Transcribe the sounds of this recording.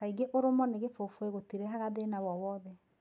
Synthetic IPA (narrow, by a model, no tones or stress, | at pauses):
aiɡeʔoɾomɔneɣefofoeɣotiɾeɦaɣaðenawɔwɔðɛ